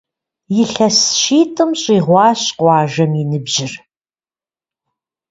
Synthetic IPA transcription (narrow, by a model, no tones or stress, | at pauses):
jɪɬɐsʃiːtʰʼɨmɕʼiːʁʷɑːɕqʷɑːʒɐminɨbʒɪr